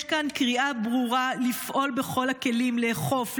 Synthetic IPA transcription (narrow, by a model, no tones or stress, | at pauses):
ʃkankʁiabʁuʁalifʔo̞lbe̞χo̞lake̞limleχo̞f